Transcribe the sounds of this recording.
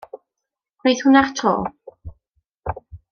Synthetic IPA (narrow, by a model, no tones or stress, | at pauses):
wejθhʊnartʰro̰ː